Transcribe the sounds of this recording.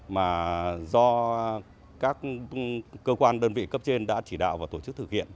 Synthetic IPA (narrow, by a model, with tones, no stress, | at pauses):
maː˨˩zɔ˧ | kaː˦˥k̚ː | əː˧kwaː˧nɗəː˧nvḭ˧˨kə˦˥p̚t͡ɕe˧nɗa̰ː˧˥t͡ɕi˧˩ɗa̰ː˧˨wvaː˨˩t̪o˧˩t͡ɕɨ˦˥k̚t̪ʰɨ˨˩k̚hḭ˧˨ən